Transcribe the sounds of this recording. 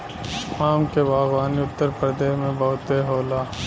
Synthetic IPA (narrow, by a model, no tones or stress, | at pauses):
aːmkebaːɣaːniʊt̪ːəɾpɾd̪eːɦmẽbɐɦʊt̪eɦoːlaː